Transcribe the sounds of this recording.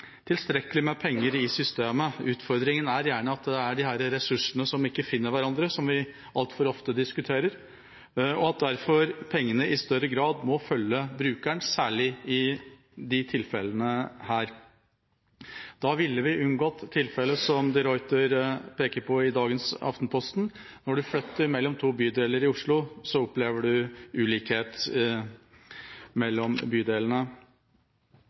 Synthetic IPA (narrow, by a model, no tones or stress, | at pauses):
t̪ʰɪlst̪ɾɛkəlɪmɛpʰɛŋːəɾɪsʏst̪eːməʉːt̪fɔɾd̪ɾɪŋənæɾjæːɳəɑt̪d̪ɛæɖɪhæːɾɾɛsʉʂənəsɔmɪkːəfɪnːəɾʋæɾɑnd̪ɾəsɔmʋɪ | ʔɑlt̪fɔɾɔft̪əd̪ɪskʉt̪ʰeːɾəɾ | ɔɑt̪̚d̪æɾfɔɾpʰɛŋːənəʔɪst̪œɾəɡɾɑːd̪mɔfœljːəbɾʉːkæɳsæːɭɪɪ | d̪ɪt̪ʰɪlfɛlənəhæːɾ | d̪̥ɑːʋɪlːəʋɪʔʉnɡoːt̪ʰːɪlfɛləsɔmd̪ɪɾɔʏt̪əɾpʰeːkəɾpʰɔɪd̪ɑːɡənsɑ̰ft̪npʰɔst̪n | nɔɖʉflœt̪ːəɾmɛlːɔmt̪ʰuːbyːd̪eːləɾɪʊʂɭʊsɔʊpleːʋəɖʉʉːliːkheːt̪ | mɛlːɔmbyːd̪eːlnə